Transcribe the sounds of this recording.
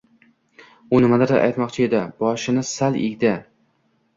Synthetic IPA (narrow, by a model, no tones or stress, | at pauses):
ʊnɪmad̪aɾd̪a̰ʔa̰jt̪mɒqt͡ʃʰɪe̞d̪ɪbɒʃɪnɪsalɪ̰ɡʲd̪ɪ